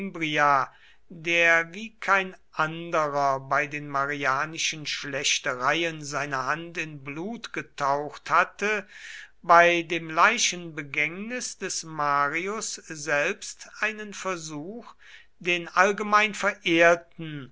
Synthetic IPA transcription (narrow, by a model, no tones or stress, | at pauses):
mbʁia | deːɐviːkʰaɪnʔandəʁɐbaɪdeːnmaʁiaːnɪʃənʃlɛɕtəʁaɪənzaɪnɐhantɪnbluːtɡ̥ətʰaʊxthatəbaɪdeːmlaɪʃənbəɡɛŋnɪsd̥ɛsmaːʁiʊszɛlpstʔaɪnənfɛɐzuːx | d̥eːnʔalɡəmaɪnfɛɐʔeːɐtn̩